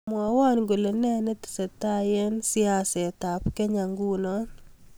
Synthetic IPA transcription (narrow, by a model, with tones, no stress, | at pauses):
mwɔ˨wa˦nɡo˨le˨nɛ˦ne˦tɪ̥˨se˨ta˦je˦nsi˦a˨sɛ˨ta˨pke˦ɲa˨ŋɡu˦nɔ˦